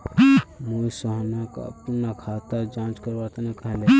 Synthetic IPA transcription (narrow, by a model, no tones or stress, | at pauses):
mosəɦnaka̰punakʰat̪əɾd͡ʒãt͡ʃkəɾbat̪anakəɦle